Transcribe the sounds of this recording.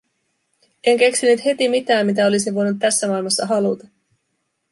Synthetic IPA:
e̞ŋk̟e̞ksinyt̪he̞t̪imit̪æːmːit̪æo̞lisiʋo̞jnut̪ːæsːæmɑˑilmɑsːɑɦɑlut̪ɑ

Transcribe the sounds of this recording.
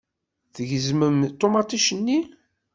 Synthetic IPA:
θəʝəzməmt̪ˤːomɑt̪ˤiʃənːi

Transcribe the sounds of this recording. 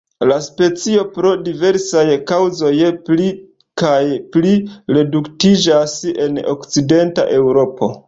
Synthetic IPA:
laspe̞t͡sio̞pɾo̞dive̞ɾsajkawzo̞jpli | kajpliɾe̞duktid͡ʒase̞no̰kt͡side̞nta̰ʔe̞wɾo̞po̞̰

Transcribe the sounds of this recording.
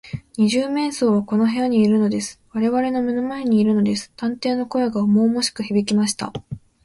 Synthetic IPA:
ɲ̟iʑɨːmẽ̞ɰ̃so̞ːβako̞no̞ɦeaɲ̟iːɾɯ̟no̞d̪e̞sɨ̥βaɾe̞βaɾe̞no̞menomae̞ɲ̟iːɾɯ̟no̞d̪e̞sɨ̥t̪ãnt̪e̞ːno̞ko̞jeɡaomo̞ːmo̞ɕi̥kɯ̟çibʲikʲimaɕi̥t̪a̰

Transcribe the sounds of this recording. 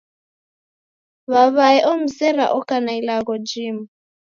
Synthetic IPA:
βaβaɛʔɔm̩sɛɾa̰ʔɔkanailaɣɔd͡ʒiːma

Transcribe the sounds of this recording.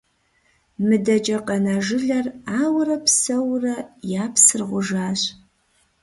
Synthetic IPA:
mɨdɐd͡ʒʼɐqʼɐnaʒɨɮɐraːwrɐpʰsɐwrɐjaːpʰsɨrʁʷʊʒaːɕʼ

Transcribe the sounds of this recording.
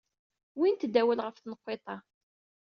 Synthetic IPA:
wint̪d̪æwælʁəfθnəqːet̪ˤɑ

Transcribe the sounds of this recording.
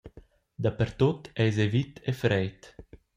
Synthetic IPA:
d̪apeɾt̪ot̪ɛjzevit̪efɾɛjt̪

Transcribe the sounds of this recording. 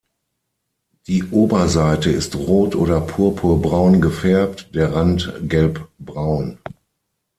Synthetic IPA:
d̥iːʔoːbɐzaɪtəɪstʁoːtʔoːɾɐpʰuːɐpʰuːɐbʁaʊnɡəfɛɐp̚td̥eːɐʁantɡɛlpb̥ʁaʊn

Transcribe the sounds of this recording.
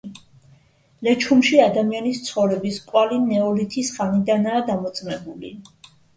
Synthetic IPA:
lɛt͡ʃʰumʃiad̪amianist̪sʰχɔvɾɛbiskʼwalinɛɔlit̪ʰisχanid̪anaːd̪amɔt̪sʼmɛbulḭ

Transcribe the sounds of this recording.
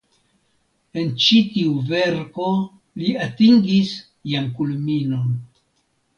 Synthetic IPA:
e̞nt͡ʃitiuve̞ɾko̞ | liatiŋɡis | jamkulmino̞n

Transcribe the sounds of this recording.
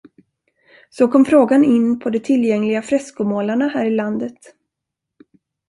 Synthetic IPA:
sɔkʰɔmfɾoːɡanɪnːpʰɔd̪ɛt̪ʰɪljɛŋlɪɡafɾɛskʊmoːlaɳahæːɾɪland̪ət̪

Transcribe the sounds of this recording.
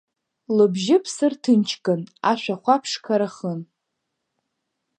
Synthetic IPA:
lɨbʒɪpʰsɨrtʰɨnt͡ʃʰkʼɨnaʃʷᶣaχʷapʰʂkʰaɾaχən

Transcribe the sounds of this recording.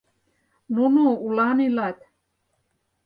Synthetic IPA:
nunuulanilat̪ʲ

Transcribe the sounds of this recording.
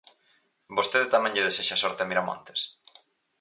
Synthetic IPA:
bost̪eðet̪amɛ̃ŋʎɪðeseʃasɔɾt̪eamiɾamõ̰nt̪e̥s

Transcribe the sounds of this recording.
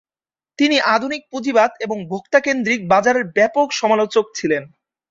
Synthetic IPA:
t̪iniʔad̪ʱunik̚pud͡ʑibad̪eboŋbʱokt̪akend̪ɾik̚bad͡ʑaɾeɾbɛpokʃɔmalot͡ɕok̚t͡ɕʰilen

